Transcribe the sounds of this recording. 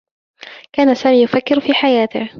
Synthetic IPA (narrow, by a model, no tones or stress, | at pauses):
kaːnasaːmiːjʊfakːɪɾfiːħajaːt̪ɪ̰h